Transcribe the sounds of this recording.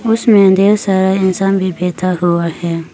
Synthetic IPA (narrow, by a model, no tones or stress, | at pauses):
ʊsmɛ̃nd̪esaɾaɪnsanbibet̪ʰahuwahɛ